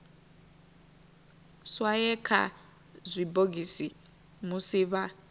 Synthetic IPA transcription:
swajɛkʰa̰ | zʷiboɡisi | musiβa

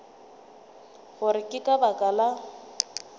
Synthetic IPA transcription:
ɣʊɾɪkʼɪkʼabakʼala

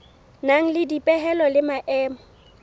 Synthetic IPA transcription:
naŋ̩lɪdipʼɛɦɛlɔlɪmaʔɛːmɔ

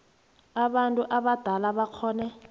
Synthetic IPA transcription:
aɓantʼuʔaɓad̥ʱalaɓakʰɔːnɛ

